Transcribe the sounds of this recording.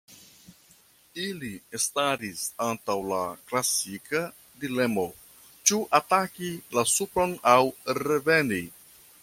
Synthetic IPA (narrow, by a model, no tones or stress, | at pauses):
iliestaɾisantawla̰klasika | dile̞mo̞ | t͡ʃuʔatakilasupɾo̞nawɾe̞ve̞ni